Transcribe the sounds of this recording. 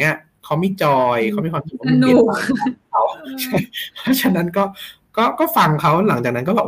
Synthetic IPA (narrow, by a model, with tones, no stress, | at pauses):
i˦˥ɐ˨ | kʰa˦˥wmi˥˩t͡ɕɔː˧jkʰa˦˥wma˥˩jkʰa˧t͡ɕi˨˩˦uː˧˥˩a˧˥˩a˧˥wt͡ɕʰa˥˩jpʰɔ˦˥t͡ɕʰa˧˩na˦˥nkɔː˥˩ | kɔː˥˩kɔː˥˩fa˧ŋkʰa˦˥wla˩˦ŋt͡ɕaː˨˩na˦˥nkɔ˥˩bɛː˨˩